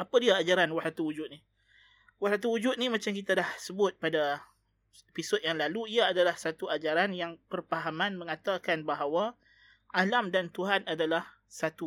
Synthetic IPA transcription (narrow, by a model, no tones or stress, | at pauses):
apadiaːd͡ʒaɾanwasat̪uwud͡ʒʊt̪̚ni | wahsat̪̬uwud͡ʒʊt̪̚nimãt͡ʃamkit̪adahsəbʊt̪̚pada | episʊt̪̚jaŋlaluiaːdalahsat̪uad͡ʒaɾanjaŋpərpaɦamãnmə̃ŋãt̪akanbaɦawa | ʔalamdant̪uɦanadalah | sat̪u